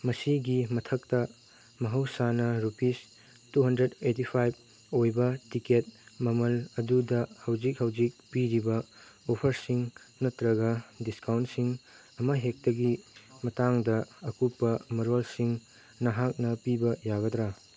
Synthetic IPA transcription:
mɐsiɡimɐtʰɐk̚tɐ | mɐɦɐwsanɐɾupis | tuɦɐndɾedet̬ipʰajb̚ | ojbɐtiket̚mɐmɐlɐdudɐhɐwd͡ʒik̚hɐwd͡ʒik̚piɾibɐopʰɐɾsiŋ | nɐtɾɐɡɐdiskawntsiŋ | ɐmɐɦek̚tɐɡimɐtaŋdɐɐkupːɐmɐɾolsiŋ | nɐɦak̚nɐpibɐjaɡɐtɾa

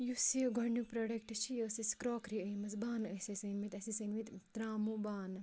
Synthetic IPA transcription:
juseɡʱɔɳɖupɾɐɽɐkʈt͡ʃʰijɐsiskɾoːkɾiɐjmɐsbaːnɐsɐsɐnmit̪ɐsisɐnmit̪t̪ɾaːmubaːn

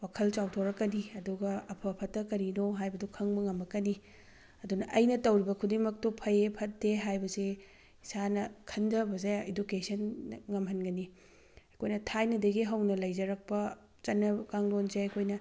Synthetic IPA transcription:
wakʰɐlt͡ʃawtʰoɾɐkːɐniɐduɡɐɐpʰɐpʰɐtːɐkɐɾinoɦajbɐdukʰɐŋbɐŋɐmɐkːɐni | ɐdunɐʔɐjnɐtɐwɾibɐkʰudiŋmɐk̚tupʰɐepʰɐt̚deɦajbɐze | isanɐkʰɐndɐbɐzeedukesʰɐnŋɐmɦɐnɡɐni | ɐkʰojnɐtʰajnɐdɐɡiɦɐwnɐlɐjd͡ʒɐɾɐk̚pɐ | t͡ʃɐnːɐkaŋlond͡ʒeɐkʰojnɐ

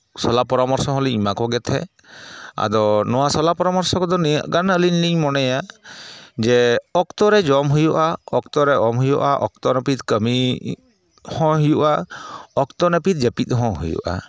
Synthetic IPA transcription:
sɔlapɔɾɔmɔɾsɔɦɔ̃liimakɔɡɛt̪ʰɛ̰ | a̰d̪ɔnɔwasɔlapɔɾɔmɔɾsɔkɔd̪ɔnia̰ʔɡanəlinliŋmɔnɛja | d͡ʒɛɔkt̪ɔɾɛd͡ʒɔmɦujuʔaɔkt̪ɔɾɛʔɔmɦujɔ̰ʔa̰ʔɔ̰k̚t̪ɔnəpit̪̚kəmi | hɔ̃ɦujuʔaɔkt̪ɔnəpit̪̚d͡ʒepit̪̚ɦɔ̃ɦṵjṵʔa̰

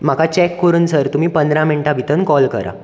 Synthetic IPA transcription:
m̤akat͡ɕɛkːoɾuːnsəɾt̪um̤iːpənd̪ɾãmiɳʈabʱit̪ənkɔlkə̰ɾa̰

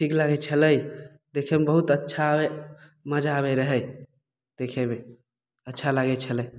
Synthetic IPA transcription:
ʈʰiklaɡɛt͡ʃʰələj | d̪ekʰɛmebəɦut̪ətːʃʰabe | məd͡ʒaːβɛɾəɦɛj | d̪̥ekʰɛme | ətːʃʰalaɡɛt͡ʃʰəlɛj

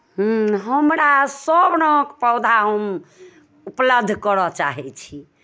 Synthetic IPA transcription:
ɦ̩ɦəmɾasəbnokpəwd̪ʱaɦəm | upləb̚d̪ʱːkəɾɔt͡ʃa̰ɦɛt͡ʃʰi

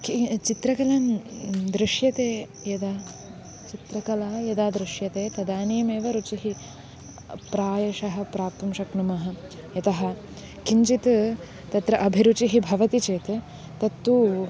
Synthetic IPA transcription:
kit͡ʃit̪ɾɐkɐlaːnd̪ɾiʃjɐt̪eː | jɐd̪aː | t͡ʃit̪ɾɐkɐlaːjɐd̪aːd̪ɾɪʃjɐt̪eːt̪ɐd̪aːniːmeːʋɐɾut͡ʃiɦi | pɾaːjɐʃɐɦɐ̆pɾaːp̚t̪ɐmʃɐknumɐɦɐ̆ | jɐt̪ɐɦɐ̆ | kiɲt͡ʃit̪ | t̪ɐt̪ɾɐʔɐbʱiɾut͡ʃiɦibʱɐʋɐt̪it͡ʃeːt̪ | t̪ɐt̪ːuː

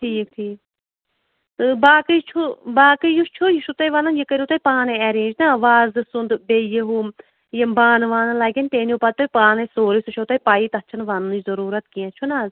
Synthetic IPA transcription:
ʈʰiːk̚ʈʰiːk | t̪ɨbaːkɨjt͡ʃʰubaːkɨjut͡ʃʰujiʃut̪ɐjʋɐnɐnjikəɾʲiut̪ɐjpaːneɛːɾẽːd͡ʒnaɐʋaːzɨsund̪bejeɦu | jembaːnʋaːnɐlaːɡʲɐnʲt̪eːniupɐt̪t̪ːɐpaːnɐsoːɾisuʃʰot̪ɐjpaːjit̪ɐt͡ʃʰɐnʋanɐnd͡ʒzɐɾuːɾɐt̪kijãt͡ʃʰunaːz

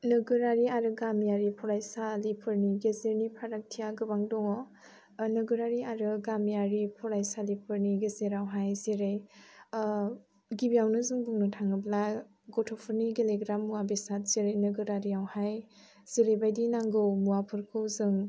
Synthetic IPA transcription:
nɯɡɯɾaɾiaɾɯɡamjaɾipʰɔɾajsalipʰɯɾniɡezeɾnipʰaɾak̚tʰijaɡɯbaŋdɔŋɔ | nɯɡɯɾaɾiaɾɯɡamjaɾipʰɔɾajsalipʰɯɾniɡezeɾawɦajzeɾej | ɡibijawnɯzɯŋbuŋnɯtʰaŋɯbla | ɡɔtʰɔpʰɯɾniɡeleɡɾamːuwabesat̚z̥eɾejnɯɡɯɾaɾiawhaj | z̥eɾejbajdinaŋɡɯwmuwapʰɯɾkʰɯwzɯŋ

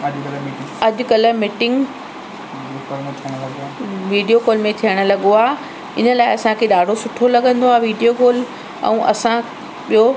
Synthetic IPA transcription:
ɐkiɪŋɐʄʊkɐləmɪʈɪ̃ŋɡ | lmẽt̪ʰiəɽ̃lɐɡʋiːɖijokoːlmẽt̪ʰijəɽ̃ʊ̆lɐɠoaː | ɪnə̆laːɪɐsãkʰeɗaːɖʱosʊʈʰolɐɠə̃nd̪oaːʋiːɖijokoːl | ɛ̰̃ũːʔɐsã | ɓijo

